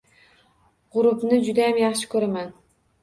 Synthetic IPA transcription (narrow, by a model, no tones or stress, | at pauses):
ʁʊɾʊpnɪd͡ʒʊd̪ajamjɑχʃɪ̥kʰɵɾaman